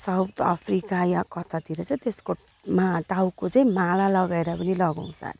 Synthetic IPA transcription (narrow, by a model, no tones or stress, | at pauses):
sawt̪ʰa̰pʰrikajakʌt̪ʰat̪iɾʌt͡sʌĩt̪esko | maʈawkot͡sʌĩmalalʌɡaeɾapʌnilʌɡaw̃sa̰ɾ